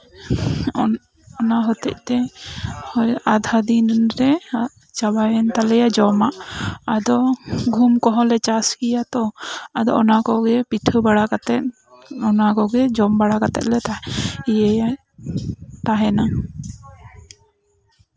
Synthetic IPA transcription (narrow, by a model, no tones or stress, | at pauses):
ɔnaɦɔt̪ɛc̚ˀt̪ɛhɔjad̪ʱad̪inɾɛ | t͡ʃabajɛnt̪alɛjad͡ʒɔmaʔad̪ɔɡʱumkɔɦɔ̃lɛt͡ʃaskijat̪ɔad̪ɔ̰ɔnakɔɡɛpiʈʰəbaɽakat̪ɛt̪̚ | ɔnakɔɡɛd͡ʒɔmbaɽakat̪ɛ̰t̪̚lɛt̪aijɛja | t̪aɦɛna